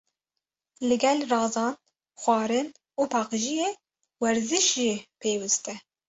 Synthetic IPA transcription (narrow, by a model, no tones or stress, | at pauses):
lɨɡɛlrɑːzɑːn | xʷɑːɾɨn | uːpʰɑːqɨʒije | wɛɾzɨʃʒipʰeːwɨst̪ɛ